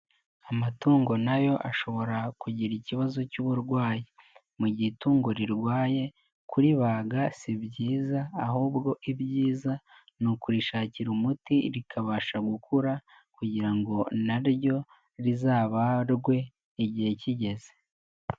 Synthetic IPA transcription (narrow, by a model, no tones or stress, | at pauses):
amatuːŋɡo̞najo̞ʔaʃo̞βo̞ɾakuɟiɾiciβazo̞cuβuɾɡwaːji | muɟituːŋɡoɾiɾɡwaːje̞ | kuɾiβaɡasibɟiːzaːhuːbɡo̞ʔibɟiːza | nukuɾiʃaːciɾumutiɾikʰaβaːʃaɡukʰuɾa | kuɟiɾaŋɡo̞naɾjo̞ | ɾizaːβaɾɡwe̞ː | ɟihe̞ciɟe̞ze̥